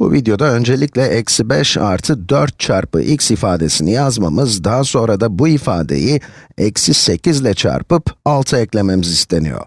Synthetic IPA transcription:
bṵvid̪jo̞d̪aø̞nd͡ʒe̞lʲiclʲɛʔɛcsibɛʃa̰ɾt̪ʰɯd̪øɾt̪̚t͡ʃʰaɾpɯ̰ʔicʲsifaːd̪e̞sinijazmamɯzd̪aɦso̞nɾad̪abuifaːd̪ḛjiɛcsise̞cizlʲɛt͡ʃʰa̰ɾpɯpalˠt̪ʰɯɛclʲememizist̪ʰe̞nḭjo̞̰ɾ

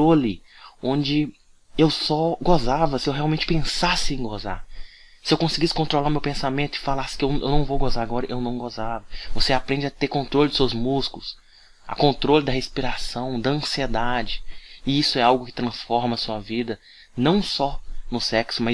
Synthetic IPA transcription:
ɾolɪõd͡ʒɪ | ewsɔɡozavɐsɪewɦeɛawmẽnt͡ʃɪpẽsasɪẽj̃ɡoza̰ɾsɪewkõsiɡisɪ̥kõnt̪ɾolawmewpẽsamẽnt̪ʊɪfalasɪ̥kɪewnḛwnɐ̃w̃vowɡozaɾaɡɔɾɐʔewnɐ̃w̃ɡozavɐvoseapɾẽnd͡ʒɐt̪eɾkõnt̪ɾolɪd̪ʊsewzmuskʊlʊs | ɐ̰kõnt̪ɾolɪd̪ɐɦespiɾasɐ̃w̃d̪ɐɐ̃sied̪ad͡ʒɪɪisʊɛawɡʊkɪ̥t̪ɾɐ̃sfɔɾmɐsuɐvid̪ɐ | nɐ̃w̃sɔnʊsɛksʊmɐ

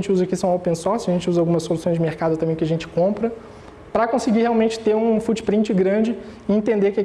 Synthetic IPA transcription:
t͡ʃɪuzɐakisɐ̃w̃opẽsɔɾsɐʒẽnt͡ʃɪuzɐawɡũmɐsːolusõj̃zd͡ʒɪmeɾkad̪ʊt̪ɐ̃mbẽj̃kɪɐʒẽnt͡ʃɪ̥kõmpɾɐ | pɾɐkõsɪɡiheawmẽnt͡ʃɪ̥t̪eɾũfut͡ʃɪ̥pɾĩnt͡ʃɪɡɾɐ̃nd͡ʒɪɪẽt̪ẽnd̪ekɛ

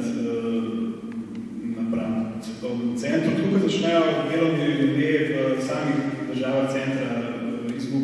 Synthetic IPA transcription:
t̪ə | nɐpɾanɔt̪sɛpɾɔwt̪sɛnt̪ɾut̪ukɐzɐt͡ʃnɛjɔd̪eːlɐnilud̪eəsaːmixd̪əɾʒaːʋaxt̪sɛnt̪ɾa | izbu

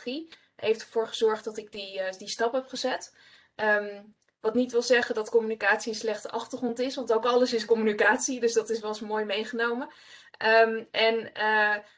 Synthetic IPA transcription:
i | ejftə̥ɹv̥oːɹχəzɔɹχtdɑtɪɡ̚didistɑpɦɛpχəzɛt | ə | ʋɑtnitʋɪlˠzɛχədɑtkɔmynikaːtsiənslɛχtəʔɑχtəɹχrɔntɪsʋɑntowkɑləsɪskɔmynikaːtsidɵsdɑtɪsʋɛlˠsmoːjmejχənowmə | əmʔɛnə

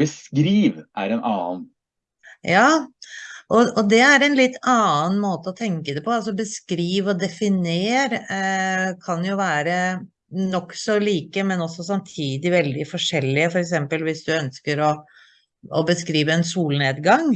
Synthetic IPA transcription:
b̥əskɾiːʋʔæ̰ɾɛnɑːn | jɑː | ʔɔɔd̪ɛæɾɛnlɪt̪ʰːɑːənmoːt̪əɔt̪ʰɛŋkəd̪ɛpʰɔɑls̬ɔbəskɾiːʋɔd̪ɛfɪneːɾ | kʰɑnjʊʋæːɾə | nɔkːsɔliːkəmɛnɔsːɔsɑmt̪ʰiːd̪ɪʋɛld̪ɪfɔʂɛlːɪəfɔɾɛksɛmpəlʋɪsd̪ʉœnskəɾɔ | ɔbəskɾiːʋəɛnsuːlneːd̪ɡɑŋ

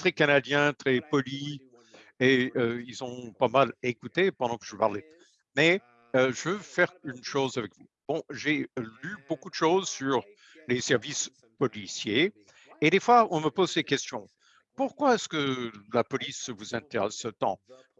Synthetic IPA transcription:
t̪χɛkanad̪jɛ̃t̪χɛpɔli | eøilzɔ̃pamalekut̪epɑ̃d̪ɑ̃kəʒəpa̰ʁlɛ | mɛ | øʒəvøfɛʁynʃozavɛkvu | b̥ɔ̃ʒelybokud̪əʃozsyʁ | lesɛʁvis | pɔlisjeː | d̪efwaɔ̃məpozsekʲɛst̪jɔ̃ | puʁkwaɛskəlapɔlisvuzɛ̃t̪eʁɛsət̪ɑ̰̃

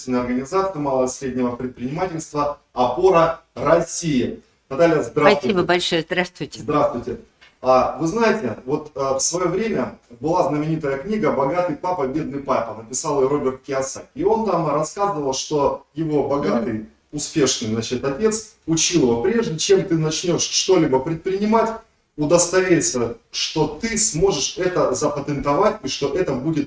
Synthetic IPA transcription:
t̪vʲɪnəjɐrɡənʲɪzat̪sɨjəmalˠəvəsʲɾʲedʲnʲɪvəpɾʲɪt̪̚pɾʲɪnʲɪmatʲɪlʲst̪və | ɐpo̞ɾərɐsʲijɪ | ɐd̪alʲɪjəzd̪ɾasɐsvibəbɐlʲʂojəzd̪ɾast̪vʊjtʲɪd̪ɾast̪vʊjtʲɪ | avɨznajɪtʲɪvo̞t̪əfsvɐjo̞vɾʲemʲəbɨlˠaznəmʲɪnʲit̪əjəknʲiɡəbɐɡat̪ɨjpapəbʲe̞d̪nɨjpapʲənəpʲɪsalˠɨro̞bʲɪrt̪̚kʲɪɐsaio̞nt̪amrɐskazəvəlˠʂt̪o̞jɪvo̞bɐɡat̪ɨj | ʊspʲe̞ʂnɨjzat͡ɕɪt̪ʲɐtʲe̞t̪s | ʊt͡ɕilˠvopɾʲe̞ʐdʲɪt͡ɕe̞mt̪ɨnɐt͡ɕnʲo̞ʂʂt̪o̞lʲibəpɾʲɪt̪̚pɾʲɪnʲɪmatʲ | ʊd̪əst̪ɐvʲeɾʲɪt̪səʂt̪o̞t̪ɨsmo̞ʐɨʂɛt̪əzəpət̪ɨnt̪ɐvatʲiʂt̪o̞ʔɛt̪əbudʲɪt̪̚

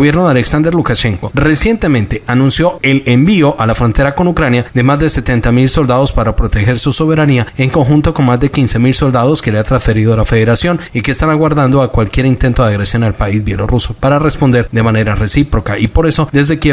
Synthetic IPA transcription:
βje̞ɾno̞ðaleksand̪e̞ɾlukaʃe̞ŋko̞re̞sje̞nt̪e̞mẽ̞nt̪e̞ʔanũnsjo̞e̞lembio̞ʔalafɾo̞nt̪e̞ɾako̞nukɾanjaðe̞mazd̪e̞se̞t̪e̞nt̪amilso̞ld̪að̞o̞spaɾapɾo̞t̪exe̞ɾsusoβ̞e̞ɾaniae̞ŋko̞ŋxunt̪o̞ko̞nmazd̪e̞kinse̞milso̞ld̪aðo̞ske̞leat̪ɾansfe̞ɾiðoalafe̞ðe̞ɾasjo̞nikeːst̪anaɣwaɾðand̪o̞akwalkje̞ɾint̪e̞nt̪o̞ðeaɣɾesjo̞nalpaizbje̞lo̞̰ruso̞paɾare̞spo̞nd̪e̞ɾd̪e̞mane̞ɾare̞sipɾo̞kaʔipo̞ɾe̞so̞d̪e̞zðe̞ke

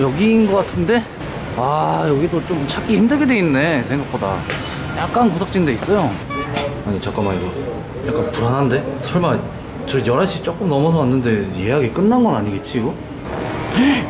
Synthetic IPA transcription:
jʌɡinɡʌk͈atʰɯnde̞ | ajʌɡidot͡ɕomt͡ɕʰak͈ʰiçimdɯɡe̞dwe̞innːe̞sʰeŋɡak̚p͈oda̰ | jak̚k͈ankosʰak̚t͡ɕ͈innde̞is͈ʌjo | aɲit͡ɕak͈amaiɡʌ | jak͈anpuɾanɦande̞t͡ɕʌɭma | t͡ɕʌjʌɾaɕ͈ʰit͡ɕ͈ok͈ɯmnʌmʌsʰʌwanːɯnde̞ieɦaɡe̞k͈ɯnːanɡʌnaɲiɡe̞t̚t͡ɕ͈ʰiɡo | e

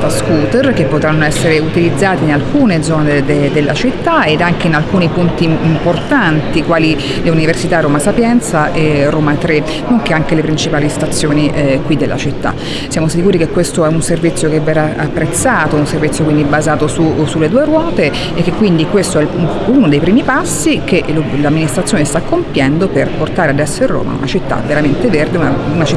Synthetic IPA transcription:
t̪askuːt̪erk̟epːot̪ɾanːoɛsːeɾeut̪ilid̪zːaːt̪iinalkuːned̪zɔːned̪ed̪elːa̰t͡ʃit̪ːaed̪aŋk̟einalkuːnipunt̪iːmmport̪ant̪ikwaːli | leuniversit̪aroːmasapjɛnt̪saʔeroːmat̪ɾe | noŋkeaŋkelepɾint͡ʃipaːlist̪at̪sːjoːniʔkwid̪elːʔa̰t͡ʃit̪ːa̰ | sjaːmosikuːɾikekːwest̪oɛunservit̪sːjokevɛraapːɾet̪saːt̪ounservit̪sːjokwind̪ibazaːt̪osusulːed̪uːeɾwɔːt̪e | ekːekːwind̪ikwest̪oɛl | unod̪ejpɾiːmipasːikelolamːinist̪ɾat̪sjoːnest̪akːompjɛnd̪operport̪aːɾead̪ɛsːoirːo̰ːmʔa̰ṵnat͡ʃit̪ːa̰veɾament̪everd̪eunaunat͡ʃi

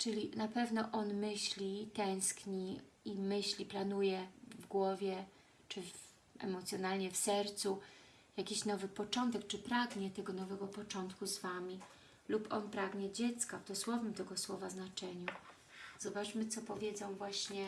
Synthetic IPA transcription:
t͡ʂɘlʲinapɛvnɔʔɔnmɘɕlʲit̪ɛ̃w̃skɲiimɘɕlʲiplanujɛvɡwɔvʲjɛ | t͡ʂɘv | ɛ̰mɔt̪sʲjɔnalɲɛfsɛɾt̪su | jakʲiɕnɔvɘpɔt͡ʂɔnt̪ɛk̚t͡ʂɘpɾaɡɲɛt̪ɛɡɔnɔvɛɡɔpɔt͡ʂɔnt̪kuzvamʲi | lupɔnpɾaɡɲɛd͡ʑɛt̪skavd̪ɔswɔvɘmt̪ɛɡɔswɔvaznat͡ʂɛɲu | z̥ɔbat͡ʂmɘt̪sɔpɔvʲjɛd̪zɔ̃w̃vwaɕɲɛ

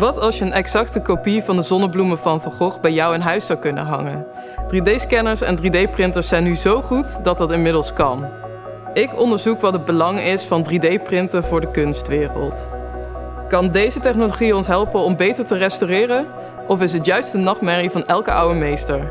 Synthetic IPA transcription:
ʋɑtɑlˠsjəənʔɛksɑktəkopivɑndəzɔnəbluməvɑnvəɹχɔχbɛjɔwənɦœɥsɑwkɵnə̰nɦɑ̰ŋə̰n | d̥ridejskɛnəɹsɛ̰ndridejprɪntəsɛjnyzowχutdɑt̚dɑtɪnmɪdəlˠskɑn | ʔɪkɔndəɹzukʋɑtəd̚bəlɑŋɪsfɑndridejprɪntəvʊːɹdəkɵnstʋɪːrə̰lˠt | kɑndejzətɛχnoloχiɔnsɦɛlˠpənɔmbejtəɹtərɛstyrɪːrən | ɔfɪs̬ɦətjœɥstənɑχmɛɹivɑnɛlˠkəʔʌ̰wəɹmejstəɹ

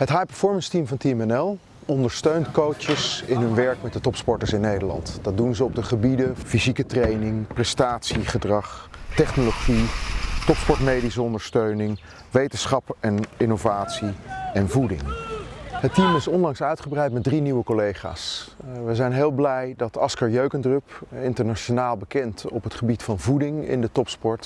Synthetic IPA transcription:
ətɦajpɛɹfɔɹmənstimvɑntimɛnɛlˠ | ɔndəɹstøɥntkowt͡ʃəsɪnɦɵnʋɛɹkmɛt̚dətɔpspɔɹtəɹsɪnːejdəlɑ̰ntd̥ɑt̚dunzəɔb̚dəχəbidəfizikətrejnɪŋprɛstaːtsiχədrɑχtɛχnoloχitɔpspɔɹtmejdisəɔndəɹstøɥnɪŋ | ʋejtənsχɑpɛnɪnovaːtsiɛnvudɪ̰ŋ | ɦətimɪsɔnlɑŋsœɥtχəbrɛjt̚mɛt̚driniwəkolejχa̰ːsʋəzɛjnɦeːlˠblɛjdɑtɑskɑɹjøɥkəndrøpɪntəɹnaʃonaːlˠbəkɛntɔpətχəbitfɑnvudɪŋɪ̰ndətɔpspɔɹt

